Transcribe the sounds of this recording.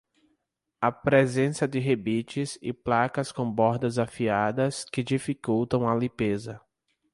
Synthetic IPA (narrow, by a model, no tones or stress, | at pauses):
ɐpɾezẽsɐd̪ɪɦebit͡ʃɪzɪ̰plakɐskõbɔɾd̪ɐzafiad̪ɐskɪd͡ʒifikuwt̪ɐ̃w̃ɐlĩpezɐ